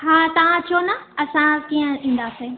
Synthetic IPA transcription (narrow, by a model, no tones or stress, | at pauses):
ɦaːt̪ɐʋ̤ãt͡ɕʰoːnɐɐsãkiːə̃ĩːnd̪aːseː